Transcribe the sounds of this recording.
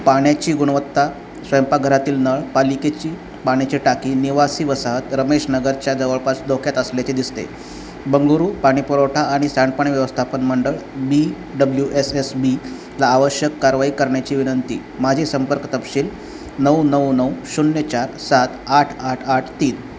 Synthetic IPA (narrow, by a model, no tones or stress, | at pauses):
paɳjat͡ɕiːɡuɽ̃ʋət̪ːa | sʋəjmpaɡʱəɾat̪iːlnəɭpaliket͡ɕiː | paɽ̃jat͡ɕeʈakiːniʋasiːʋəsaɦət̪ɾəmeɕnəɡəɾt͡ɕjad͡zəʋəɭpasd̪okʰjat̪əsljat͡ɕed̪ist̪ḛ | bəŋɡuɾuːpaɽ̃ipəɾoʈʰaːɽ̃isaɳɖpəɳ̃iʋjəʋəst̪ʰapənməɳɖəɭbi | ɖəbljuʔesesbi | laːʋəɕjəkːaɾʋaikəɾɳjat͡ɕiːʋinənt̪ḭː | mad͡ʑʱesəmpəɾkt̪əpɕiːl | nəwnəwnəwɕunjət͡ɕaɾsat̪aʈʰaʈʰaʈʰt̪iːn